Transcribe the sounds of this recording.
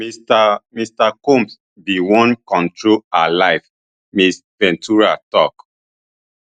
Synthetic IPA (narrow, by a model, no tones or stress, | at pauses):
stamistakõms | biwɔ̃nkɔ̃ntɹoalaɪf | mis | pɛ̃ntʰuɹatɔk